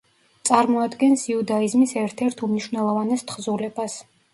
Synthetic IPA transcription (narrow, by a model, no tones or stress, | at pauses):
t̪sʼaɾmɔad̪ɡɛnsiud̪aizmisɛɾt̪ʰɛɾt̪ʰumniʃvnɛlˠɔvanɛst̪ʰχzulɛbas